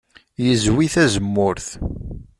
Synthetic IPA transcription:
jəzwiθæzəmːʊɾθ

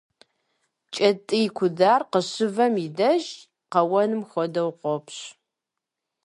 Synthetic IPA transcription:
t͡ʃʼɐtʼɨjɪkʷʰʊdaːrqəɕɨvɐmidɐʒ | qɐwɐnɨmxʷɔdɐwqʷɔpɕ

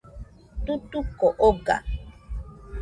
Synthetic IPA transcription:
t̪ut̪ukoʔoɡa̰

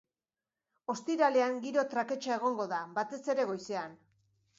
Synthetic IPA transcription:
o̞st̪iɾale̞aŋɡiɾo̞t̪ɾake̞t͡ʃae̞ɣ̞o̞ŋɡo̞ðabat̪e̞se̞ɾe̞ɣ̞o̞jse̞an

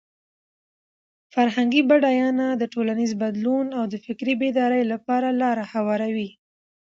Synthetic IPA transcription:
faɾɦaŋɡibaɖɑjɑnad̪əʈolanizbad̪lunawd̪əfɪkɾibed̪ɑɾəjlapɑɾalɑɾahawɑɾawi

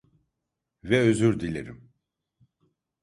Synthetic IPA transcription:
vɛøzyɾd̪ilʲeɾim

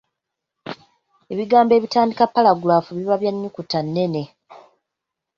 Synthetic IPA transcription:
e̞βiɡaːmbe̞ːβitaːndikapːalaɡulaːfuβiβaβjaɲːukutanːe̞ne̞

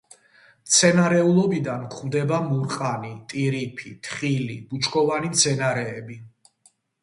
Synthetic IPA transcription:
mt̪sʰɛnaɾɛulˠɔbid̪ankʰχmd̪ɛbamuɾqʼanit̪ʼiɾipʰḭt̪ʰχilḭbut͡ʃʰkʰʼɔvanimt̪sʰɛnaɾɛːbi

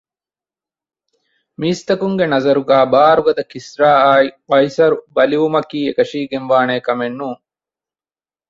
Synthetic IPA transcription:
miːst̪ɐkuŋɡenɐzɐɾuɡaːbaːɾuɡɐd̪ɐkisɾaːaːiɐjsɐɾubɐliʋumɐkiːekɐʃiːɡenʋaːneːkɐmenːuːŋ

